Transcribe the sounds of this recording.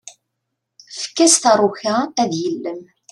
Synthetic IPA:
fə̥kːæst̪ərˤːʊçaæðjəlːəm

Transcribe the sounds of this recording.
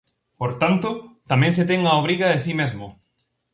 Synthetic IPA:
poɾt̪ant̪ʊt̪amɛ̃ŋset̪eŋaoβ̞ɾiɣɐesimezmʊ

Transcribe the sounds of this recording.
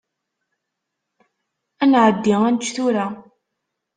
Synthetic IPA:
ænʕəd̪ːiŋænt͡ʃːθʊɾa

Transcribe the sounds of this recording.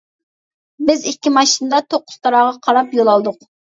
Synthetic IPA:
bɪzikʲːimɑʃinɨd̪ɑt̪ʰoqːʊ̥st̪ʰɑɾɑːʁɑqʰɑɾɑpjolˠɑlˠd̪ʊq̚

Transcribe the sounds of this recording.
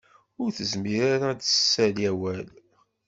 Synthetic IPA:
ʊɾθəzmiɾaɾad̪əsːælæwæl

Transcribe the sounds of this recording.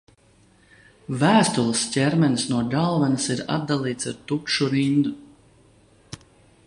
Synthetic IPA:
væːst̪ulˠəscʲɛɾmɛnsnuɔɡalˠvanasiɾa̰d̪̚d̪alˠiːt̪saɾt̪ukʃuɾind̪u

